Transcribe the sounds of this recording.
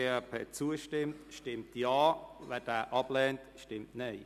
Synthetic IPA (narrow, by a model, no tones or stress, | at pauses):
ɛpʰɛt͡suəʃtɪmtʃtɪmtjaːvɛːd̥æːʔɑblɛːntʃtɪmtneɪ